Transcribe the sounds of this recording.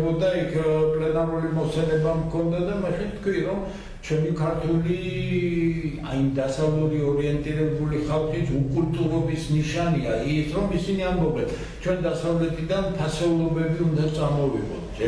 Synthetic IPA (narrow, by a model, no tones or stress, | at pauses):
bɔd̪aikʰpʼlɛnaɾulimɔsɛlɛbamkʰɔnd̪ad̪amɛχɛt̪ʰkʰwiɾɔm | t͡ʃʰɛmikʰaɾt̪ʰuli | a̰imd̪asavluɾiɔɾiɛnt̪ʼiɾɛbuliχalˠχisʰukʼult̪ʼuɾɔbisniʃaniaisʰɾɔmisiniambɔbɛn | t͡ʃʰwɛnd̪asavlɛt̪ʰʼid̪ant̪ʰasɛulˠɔbɛbiund̪at̪sʼamɔvḭʁɔ̰t̪ʰd͡ʒɛ